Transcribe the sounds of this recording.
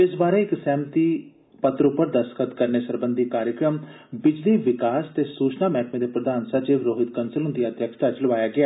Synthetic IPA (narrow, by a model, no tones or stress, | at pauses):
ɪsbaːɾeːɪksɛːmt̪iː | pət̪ɾʊpːəɾd̪əskʰət̪kəɾneːsəɾbə̃nd̪ikaːɾjəkɾəm | bɪd͡ʒliːʋɪkaːst̪eːsuːt͡ʃnaːmɛːʈmẽːd̪eːpɾəd̪aːnsət͡ʃeːʋɾoːɦɪt̪̚kənsəlɦʊnd̪iaːd̪ʱjəkst̪aːt͡ʃələʋaːjaːɡɪaː